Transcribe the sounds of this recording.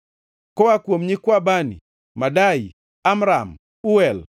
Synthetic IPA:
kɔwakwomɲɪkwabanḭ | madaj | amɾam | uɛl

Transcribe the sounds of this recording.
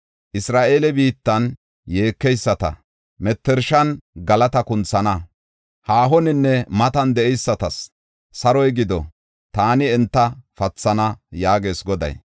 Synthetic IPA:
ʔɪsɾaːʔe̞ːlɛbiːt̪ːɐn | jeːkːɛjsːɐt̪ɐ̰ | mɛt̪ːɛɾʃɐnɡɐlɐt̪ɐkʊnt͡sːɐnɐ | haːɦɔnɪnːɛmɐt̪ɐnd̪ɛʔɛjsːɐt̪ɐsː | ɐɾɔjɡɪd̪ɔ | t̪aːnɪɛnt̪ːɐfɐt͡sːɐnɐjaːɡe̞ːsɡɔd̪ɐ̰j

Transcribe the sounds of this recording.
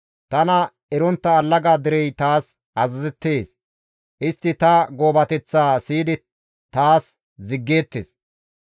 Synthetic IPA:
t̪ɐnɐ | ɛɾɔnt̪ːɐːlːɐɡaːd̪ɪɾɛjt̪aːs | ɐzɐzɛt̪ːeːs | ʔɪst̪ːɪt̪ɐɡo̞ːbɐt̪ɛt͡sːaːsiːd̪ɪ | t̪aːs | zɪɡːe̞ːt̪ːes

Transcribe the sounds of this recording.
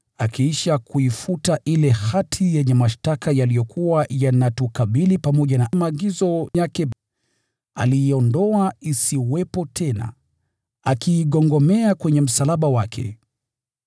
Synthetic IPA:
akiiʃakuifutaʔilɛhatʰijɛɲɛmaʃtakajalijɔkʰuwajanatukaɓilipamɔʄanamaːɡizɔjakɛ | a̰liːɔndɔaisiwɛpɔtʰɛna̰ | akiːɠɔŋɡɔmɛakwɛɲɛm̩salaɓawakʰɛ̰

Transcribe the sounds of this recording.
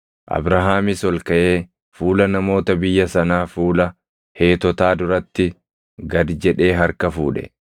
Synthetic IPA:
ʔɐ̰bɾɐɦaːmɪsɔlkɐʔe̞ː | fuːlɐnɐmo̞ːt̪ɐbɪjːɐsɐnaːfuːlɐ | he̞ːt̪ɔt̪aːd̪ʊɾɐt̪ːɪ | ɡɐd̪d͡ʒɛᶑe̞ːɦɐɾkɐfṵːᶑɛ̥̰

